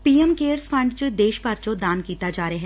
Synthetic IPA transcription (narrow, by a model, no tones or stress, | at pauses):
piːɛmkeːɾsfʰɐ̃ɳɖt͡ʃəd̪eːʃpɐɾt͡ʃod̪aːnkiːt̪ad͡ʒaːɾɐɦɛː